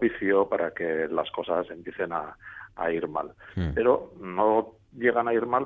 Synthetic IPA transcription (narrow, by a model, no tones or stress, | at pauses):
iθio̞paɾake̞lasko̞sase̞mpeθe̞na̰ː | iɾma̰lpe̞ɾo̞no̞ | ʝe̞ɣ̞anaiɾmal